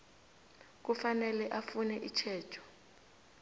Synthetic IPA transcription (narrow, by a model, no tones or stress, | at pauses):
k̬ufanɛlɛʔafunɛʔit͡ʃʰɛːtʰɔ̥